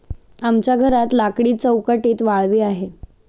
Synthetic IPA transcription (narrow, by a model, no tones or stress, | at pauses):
amt͡ɕjaɡʱəɾat̪lakɽiːt͡səwkəʈiːt̪ʋaɭʋiːaɦe